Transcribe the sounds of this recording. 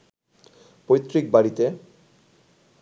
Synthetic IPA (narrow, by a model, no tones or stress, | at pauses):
pojt̪ːɾik̚baɾit̪e